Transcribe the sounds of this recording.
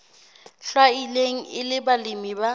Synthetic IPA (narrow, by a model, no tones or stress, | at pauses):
ɬwaileŋ̩ɪlɪbalɪmiba